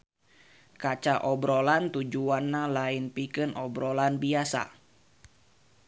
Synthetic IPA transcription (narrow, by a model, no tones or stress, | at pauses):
kat͡ʃaʔɔbɾolant̪ud͡ʒuanːalaɪnpikɨnʔɔbɾolanbiasa̰